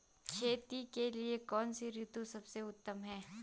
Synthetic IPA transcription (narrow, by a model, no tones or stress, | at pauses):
kʰeːt̪ikeliekɔːnsiɾɪt̪usɐbseʊt̪ːəmɦɛ̃ː